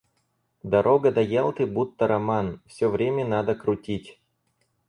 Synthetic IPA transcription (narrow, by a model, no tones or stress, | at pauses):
d̪ɐɾʔoɡəd̪ɐjelˠt̪ɨbut̪ːəɾɐmanfsʲɵvɾʲemʲənad̪əkɾʊtʲitʲ